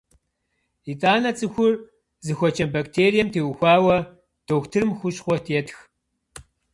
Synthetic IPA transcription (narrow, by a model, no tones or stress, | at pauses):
itʼaːnɐt͡sʼɨxʷʊr | zɨxʷɔt͡ʃʰʼɐmbaktʰeːɾijɛmtʰeːwxʷaːwɐ | d̥ʰoːxtʰɨrmxʷʊɕχʷɔtʰjɛtʰx